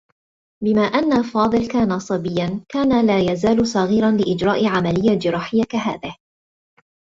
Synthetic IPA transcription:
bɪmaːʔanːafɑːðˤɨlkaːnasˤɑbɪjːankaːnalaːjazaːlʊsˤɑːɣiːɾɑnlɪʔɪd͡ʒɾˤɑːʔʕamalɪjːad͡ʒɪɾˤɑːħɪjːakaɦa̰ːðɪh

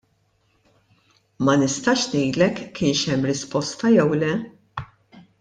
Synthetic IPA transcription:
mɐnɪst̪ɐʃnɛjd̪lɛkːɪːnʃɛmːɾɪspɔst̪ɐjɛwlɛ

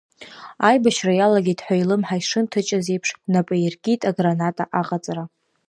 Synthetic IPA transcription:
ajbaʃrajalaɡʲitʼħʷailɨmħajʂɨntʰɨt͡ʃʼazejpʰʂnapʼajirɡʲitʼaɡranatʼaʔaqʼat͡sʼra

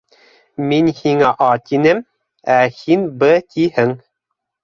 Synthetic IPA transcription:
minhiŋæʔɑt̪inɘm | æhinbɘt̪ʰihɘŋ

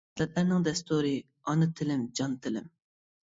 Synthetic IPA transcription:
lɛt̪læɾnɪŋd̪ɛst̪ʰuɾɨ | ɑnɨt̪ʰɪlɪmd͡ʒɑnt̪ʰɪlɪ̰m

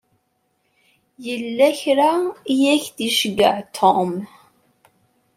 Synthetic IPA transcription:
jəlːæçɾaijæçθiʃəɡə̰ʕt̪ʰom

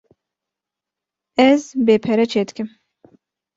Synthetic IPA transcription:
ɛzbepʰɛɾɛt͡ʃʰet̪kʲʰim

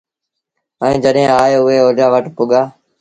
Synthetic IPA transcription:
əĩːd͡ʒəɗɦẽːaːjʊɦeːoːɾaːʋəʈpʊɠaː

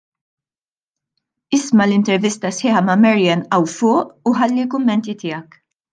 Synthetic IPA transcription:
ɪsmɐlɪnt̪ɛɾvɪst̪ɐsħɪːħɐmɐmɐɾijɐnʔɐwfʊːʔuħɐlːilkʊmːɛnt̪it̪ɪːjɐk

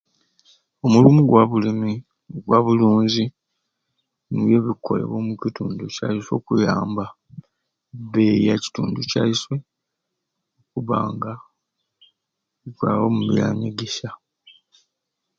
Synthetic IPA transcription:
o̞mulumuɡwaβulimi | oɡwaβuluːnzi | nuβje̞βikʰːo̞̰le̞̰βo̞mucituːnduca̰iso̞̰ːkujaːmba | βejaci̥tuːnducaiswe̞ | okuβa̰ːŋɡa | ikwawomuβila̰ɲeɡeʃa

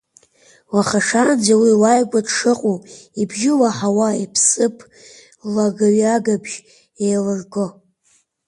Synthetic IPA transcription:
waχaʂand͡zawiwajɡʷadʂɨqʼoibʒɪlaħawaipʰsɨpʰ | laɡaɥaɡabʒ | ejlɨrɡo

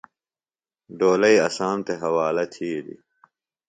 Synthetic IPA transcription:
ɖoːlɐiɐsaːmt̪eɦɐwaːlɐt̪ʰiːd̪ḭ

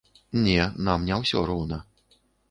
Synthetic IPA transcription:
nʲɛnamnʲɛwsʲɔ̰ɾuwnɐ

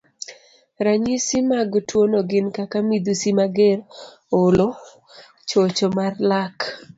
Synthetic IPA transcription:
ɾaɲisimaɡtwonoɡɪnkakamid̪usimaɡeɾ | olo | t͡ʃot͡ʃomarlak

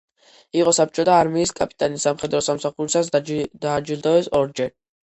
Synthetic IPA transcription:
iqʼɔsap̚ʰt͡ʃʼɔt̪ʰaːɾmiːskʼapʼi̥t̪ʼanisamχɛd̪ɾɔsamsaχuɾisasd̪ad͡ʒilˠd̪avɛsɔɾd͡ʒɛ

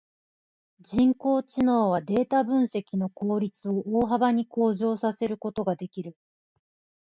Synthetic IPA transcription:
d͡ʑĩŋko̞ːt͡ɕino̞ːβad̪e̞ːt̪abɯ̟̃ɰ̃se̞kʲino̞ko̞ːɾʲit͡sɨo̞ʔoːɦabaɲ̟iko̞ːʑo̞ːsase̞ɾɯ̟ko̞t̪o̞ɡad̪e̞kʲiɾɯ̟

